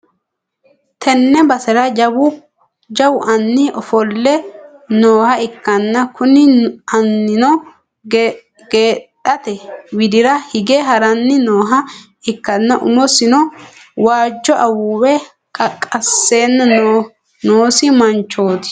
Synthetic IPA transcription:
t̪ʰɛnːɛbɐsɛɾɐd͡ʒɐbʊ | d͡ʒɐwʊʔɐnːɪʔɔfɔlːɛnoːhɐɪkːɐnːɐkʊnɪɐnːɪnɔ | ɡ | ɡeːtːɐt̪ɛwɪd̪ɪɾɐhɪɡɛɦɐɾɐnːɪnoːɦɐ | ɪkːɐnːɐʔʊ̰mɔsɪnɔ | waːd͡ʒːɔʔɐwuːwɛ | kʼɐkʼːɐsːe̞ːnːɐ | noːsɪmɐnt͡ʃːo̞ːt̪ɪ̥

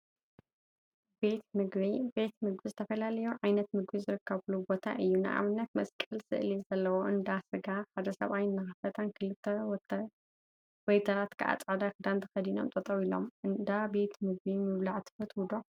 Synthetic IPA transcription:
bet̪mɨɡβibe̞t̪mɨɡbizɨt̪ʰɐfɐlalɐjuʕajnɐt̪mɨɡbizɨɾɨkʰːɐβlubo̞t̪ʰa̰ʔɨjːunɨ̰ʔa̰βɨnːɐt̪mɐskʼɨlsɨ̰ʔlizɐlːɐwo̞ɨnd̪asɨɡaħad̪ɐsɐ̰βajnːɐxɐfɐt̪ʰɐnkʰɨlɨt̪ʰːɐ | wojt̪ʰɐlat̪kʰaʔa̰t͡sʼʕd̪akɨd̪ant̪ʰɨxɐd̪ino̰mt̪ʼɐt̪ʼɐβilo̞̰mɨnd̪abe̞t̪mɨɡ̚bimɨβlaʕt̪ʰɨ̥fɐt̪wud̪o

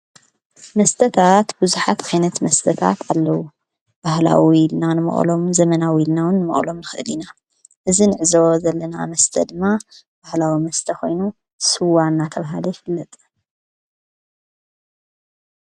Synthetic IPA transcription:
mɐst̪ʰɐt̪ʰat̪bɨzuħat̪ajnɐt̪mɐst̪ʰɐt̪ʰa̰t̪ʰalːɐwu | b̥ahla̰wilnanɨmɐ̰χʼlo̞mzɐmɐnawiilnawɨnːɨmɐ̰χʼlo̞mnɨxɨʔɨlina | ʔɨzinɨʕɨzɐwozɐlːɐnamɐst̪ʰɐd̪ɨmːa | b̥ahlawimɐst̪ʰɐxo̞jnu | sɨwanːat̪ʰɐβaɦalujɪfɨlːɐt̪ʼ

